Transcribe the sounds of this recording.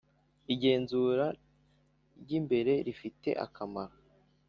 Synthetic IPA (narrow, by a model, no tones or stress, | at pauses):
iɟe̞ːnzuɾa | ɾɟimbe̞ɾe̞ɾifite̞̰ʔa̰kʰamaɾo